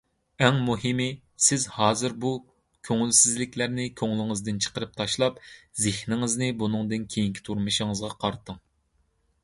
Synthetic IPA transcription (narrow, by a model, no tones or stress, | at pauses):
ɛŋmuɦɨmɪ | sɪzhɑːzɨɾbu | kʲʰøŋylsɪzlɪkʲlæɾnɪkʲʰøŋlˠɪŋɨzd̪ɨnt͡ʃʰə̥qəɾɨp̚t̪ʰɑʃlˠɑpzɪhnɪŋɨznɪbunɨŋd̪ɨnkʲʰejiŋkʲʰi̥t̪ʰuɾmɨʃiŋəzʁɑqʰɑɾt̪ʰɨŋ